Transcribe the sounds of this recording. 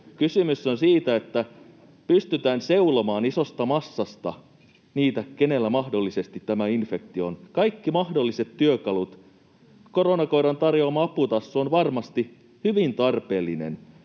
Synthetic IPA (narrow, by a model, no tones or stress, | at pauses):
kysymysːonsiːt̪æe̞t̪ːæ | pyst̪yt̪æːnse̞ulomɑːniso̞st̪ɑmɑsːɑst̪ɑ̰ | niːt̪ækene̞lːæmɑhdo̞lːise̞st̪it̪tːæmæinfe̞k̚t̪ionkɑikːimɑhdo̞lːise̞t̪tyøkɑlut̪ | koɾonɑkoiɾɑnt̪ɑrjoɑmɑɑput̪ɑsːoːnʋɑrmɑst̪i | hyʋint̪ɑrpe̞ːlːinḛn